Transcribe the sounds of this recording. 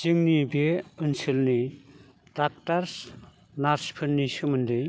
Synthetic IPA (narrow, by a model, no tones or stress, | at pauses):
d͡ʒɯŋnibeɯnsɯlni | d̥ak̚taɾs | naɾspʰɯnːisɯmɯndij